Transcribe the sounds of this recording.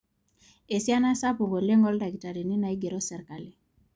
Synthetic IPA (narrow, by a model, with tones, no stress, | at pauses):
e˨sja˦na˦sa˦po˨ŋɡo˨le˦ŋɡɔ˦lda˨ɡi˨ta˨ɾi˨ni˦na˨i˦ɡe˨ɾoɔ˦sɛ˨ɾka˨li˨